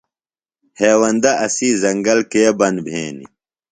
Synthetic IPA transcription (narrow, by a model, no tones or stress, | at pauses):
heːwɐnd̪ɐʔɐsizɐŋɡɐlkebɐnbʱeːnḭ